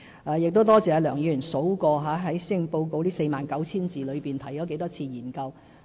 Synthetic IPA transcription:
aː˨˧jɪ˨k̚t̪o˥wt̪ɔː˥t͡sɛː˨˧lœː˨˩ŋjiː˨˧˥y˨˩nso˨˥wkɔː˧ɦaː˨˥ɦɐ˨˥jsɪ˥ŋpo˧wko˧wliː˥se˧jmaː˨˩nkɐ˨˥wt͡sʰiː˥nt͡siː˨lɵ˨˧piː˨˩nt̪ʰɐ˨˩jt͡ʃɔː˨˥k̬e˨˥jt̪ɔː˥t͡sʰiː˧jiː˨˩nkɐ˧w

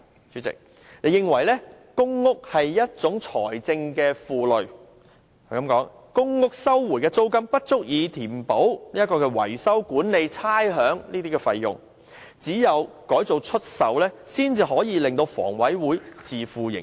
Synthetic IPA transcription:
t͡syː˨˥t͡sɪ̰˨k̚ | ne˨˧jɪ˨ŋwɐ˨˩jlɛː˥kʊ˥ŋːʊ˥k̚hɐ˨jːɐ˥t̚t͡sʊ˨˥ŋt͡sʰɔ̰ː˨˩jt͡sɪ˧ŋkɛː˧fuː˨lɵ˨˩ɥ | kɐ˨˦mkɔː˨˥ŋ | kʊ˥ŋːʊ˥k̚sɐ˥wːuː˨˩jkɛː˧t͡so˥wkɐ˥mpɐ˥t̚t͡sʊ˥k̚jiː˨˧t̪ʰiː˨˩mpo˨˥wniː˥jɐ˥kːɔː˧kɛː˧wɐ̰˨˩jsɐ˥wkuː˨˥nle˨˧jt͡sʰaː˥jɦœː˨˥ŋniː˥t̪iː˥kɛː˧fɐ˧jːʊ̰˨ŋ | t͡siː˨˥jɐ˨˧wkɔː˨˥jt͡so˨˧wt͡ʃʰɵ˥t̚sɐ˨˧wlɛː˥siː˥nt͡siː˧ɦɔː˨˥jiː˨˧lɪ˨ŋt̪o˧wfɔ̰ː˨˩ŋwɐ˨˥jwuː˨˥jt͡siː˨˩fuː˨˧jɪ̰˨˩ŋ

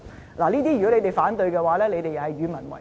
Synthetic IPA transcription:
laː˨˩liː˥t̪iː˥ɥy˨kɔ˨˥le˨˧t̪e˨jfaː˨˥nt̪ɵ˧ɥjkɛ˧waː˨˥lɛː˥le˧jt̪e˨jɐ˨hɐ˨jɥyː˨˧mɐ˨˩nwɐ̰˨˩

